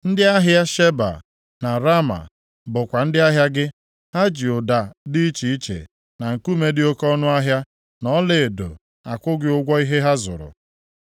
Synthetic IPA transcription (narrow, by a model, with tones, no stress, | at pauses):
n̩˦dɪ˦a˦ɦja˦ʃe˦ba̰˨ | na˨ɾa˦ma̰˨ | bʊ˨kʷa˨n̩˦dɪ˦a˦ɦja˦ɡɪ˦ | ha˦d͡ʒi˨ʊ˨da˨di˦i˦t͡ʃi˨i˦t͡ʃḛ˨ | na˨ŋ̩˨ku˦me˦dɪ˦o˦kɔ˦nʊ˦a˦ɦja˦ | nɔ˦le˨e˨do̰˨ | a˨kʷʊ˦ɡɪ˦ʊ˦ɡʷɔ˦i˦ɦe˦ɦa˦zʊ̰˨ɾʊ̰˨